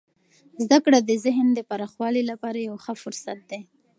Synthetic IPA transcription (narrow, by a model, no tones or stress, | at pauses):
zd̪akɽad̪əzɪɦnd̪əpaɾɑxwɑlilapɑɾajawxəfʊɾsat̪̚d̪e